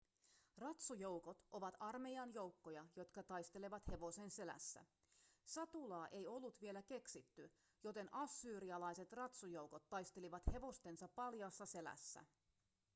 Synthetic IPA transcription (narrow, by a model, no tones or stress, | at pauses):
rɑt̪sujo̞wko̞t̪ʔo̞ʋɑt̪ɑrme̞jɑnjo̞wkːo̞jɑjo̞t̪kɑt̪ɑjst̪e̞leʋɑt̪he̞ʋo̞se̞nse̞læ̰sːæ̰ | sɑt̪ulɑːʔe̞jo̞lːut̪ʋie̞læke̞ksit̪ːy | jo̞t̪e̞nʔɑsːyːɾiɑlɑjse̞t̪rɑt̪sujo̞wko̞t̪ːɑjst̪e̞liʋɑt̪he̞ʋo̞st̪e̞nsɑpːɑljɑːsːɑse̞læ̰sːæ̰